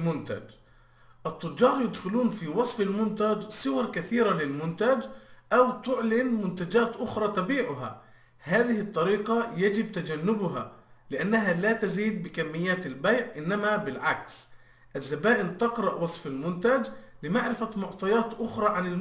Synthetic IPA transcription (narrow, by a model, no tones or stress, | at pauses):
mʊnt̪a̰d͡ʒ | ʔɨt̪ˤːʊd͡ʒːɑːɾˤjɪd̪xɪluːnfiwɑsˤfalmʊnt̪ad͡ʒsˤɨwɑɾˤkaθiːɾalɪlmʊnt̪ad͡ʒʔawt̪ʊʕlɪnmʊnt̪ad͡ʒaːt̪ʔʊxɾˤɑːt̪abiːʕʊɦa̰ | haːðɪhɪt̪ˤːɑɾiːqɑjad͡ʒɪb̚t̪ad͡ʒanːʊbʊɦa̰lɪʔanːaɦalaːt̪aziːd̪̚bɪkamːɪjːaːt̪ɪlbajʕʔɪnːamabɪlʕaks | ʔazːabaːʔɪlt̪ɪqɾˤɑʔwɑsˤfɪlmʊnt̪ad͡ʒlɪmaʕɾɪfamʊʕt̪ˤɑjɑːt̪ʔʊxɾˤɑːʕanɪl